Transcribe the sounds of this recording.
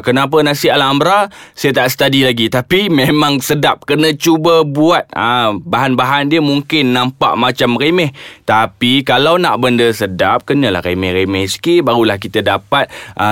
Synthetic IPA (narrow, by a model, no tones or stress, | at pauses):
kənap̬ənasialambɾasajət̪aʔsə̥t̪adilaɡit̪apimemaŋsədap̚kənə̃t͡ʃubəbuat̪̚əbaɦanbaɦandiəmuŋkɪnːampa̰ʔmat͡ʃamremɛht̪apikalawna̰ʔbəndəsədap̚kənə̃la̰hɾḛmɛhɾemɛhsi̥kibaɾulahkit̪ədapat̪̚ʔə